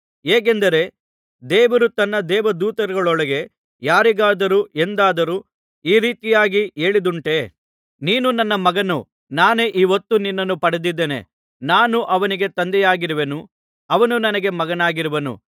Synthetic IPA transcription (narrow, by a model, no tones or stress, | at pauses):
eːk̬end̪ɐɾe̞ | d̪ɛːʋɐɾut̪ɐnːɐd̪ɛːʋɐd̪uːt̪ɐɾuɡɐɭɔɭɐɡe̞ | jaːɾiɡaːd̪ɐɾue̞nd̪aːd̪ɐɾuː | iːɾiːt̪ijaːɡie̞ːɭid̪uɳʈe̞ | niːnunɐnːɐmɐɡɐnu | naːneʔiʋɐt̪ːuninːɐnːupɐɽed̪id̪ːenḛ | naːnuʔɐʋɐniɡe̞t̪ɐnd̪ɛjaːɡiɾuʋenu | ɐʋɐnunɐnɐɡe̞mɐɡɐnaːɡiɾuʋɐnṵ